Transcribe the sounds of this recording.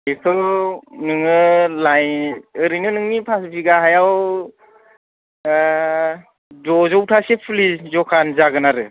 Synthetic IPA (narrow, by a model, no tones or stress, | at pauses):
ekʰɯwnɯŋɯlajɯɾɯjnɯnɯŋnipʰasbiɡaɦajaw | dɔzɔwtʰasepʰɯlizɔkʰanzaɡɯnaɾɯ